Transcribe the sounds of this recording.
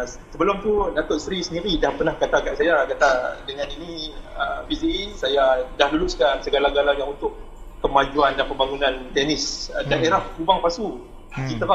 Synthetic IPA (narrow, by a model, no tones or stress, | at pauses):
səbəlʊmt̪unat̪ʊʔsɾisəniɾidahpərnahkat̪akaʔsajakat̪adəŋaniniə̰bisiisajadahluluskansəɡalaɡalajaŋunt̪ʊʔk | kəmad͡ʒuandanpəmbaŋunãnt̪ɛnɪsdaʔeɾahkubaŋpasu | kit̪əɾa